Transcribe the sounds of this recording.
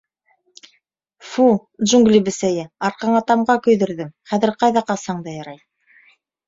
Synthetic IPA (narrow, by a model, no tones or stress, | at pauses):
fu | d̪ʒuŋɡlʲibɘ̆sæjɘɑɾqɑɴɑt̪ɑmʁɑkɵ̆jðɵ̆ɾðɘmχæðɘ̆ɾqɑjðɑqɑsɑɴd̪ɑjɑɾɑj